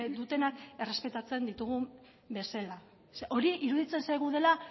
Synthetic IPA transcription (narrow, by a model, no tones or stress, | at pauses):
d̪ut̪e̞nake̞re̞spe̞t̪at͡se̞nd̪it̪uɣ̞u | be̞sela | sʔo̞ɾiʔiɾuðit͡se̞nsajɣuðe̞la